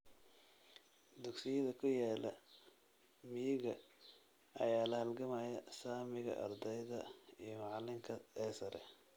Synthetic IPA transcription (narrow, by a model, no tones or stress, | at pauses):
d̪ʊɡsɪjɐðɐkʰʊjaːlɐ | mɪjɪɣɐ | ɐ̰jaːlɐhɐlɡɐmaːjɐsaːmɪɣɐ̰ʔɐ̰rd̪ɛjðɐijɞmɑʕlɪŋkʰɐɛːsɐɾɛ̰